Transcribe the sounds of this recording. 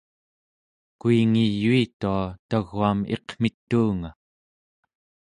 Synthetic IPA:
kuiŋijːuit̪uat̪aɣuame̞̰qm̥it̪ːuːŋa

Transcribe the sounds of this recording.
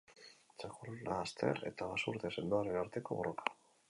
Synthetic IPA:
t͡ʃakullaːst̪ʰe̞̰ɾe̞̰t̪aβasuɾt̪e̞se̞nd̪uaɾe̞naɾt̪e̞koβo̞̰ro̞kʰḁ

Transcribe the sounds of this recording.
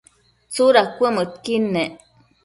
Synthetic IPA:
t͡suɾakʷəmət̪̚kinːeʔ

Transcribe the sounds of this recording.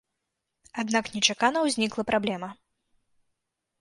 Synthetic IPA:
ad̪naknʲɛt͡ʂakanɐwzʲnʲiklˠɐpɾʔablʲɛmɐ

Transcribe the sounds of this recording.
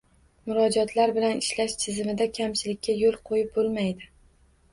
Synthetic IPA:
mʊɾɒd͡ʒɒt̪ʰlaɾbɪlanɪʃlaʃt̪ʰɪzɪmɪd̪akʲʰamt͡ʃʰɪlɪkʲʰːajolˠqʰojɪp̚bolˠmajd̪ɪ

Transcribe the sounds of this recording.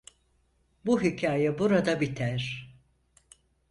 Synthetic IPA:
buɦicʰaːjɛbuɾad̪abit̪ʰæɾ̥

